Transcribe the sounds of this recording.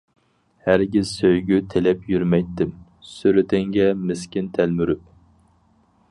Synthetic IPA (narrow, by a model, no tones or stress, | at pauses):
hæɾɡʲizsøjɡʲyt̪ʰelɛpjyɾmɛjt̪ːɪm | syɾɪt̪ʰɪŋɡʲɛmɪskʲint̪ʰælmyɾyp̚